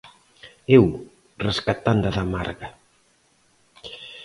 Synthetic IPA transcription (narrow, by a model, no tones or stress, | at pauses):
ew | reskat̪and̪aðama̰ɾɣɐ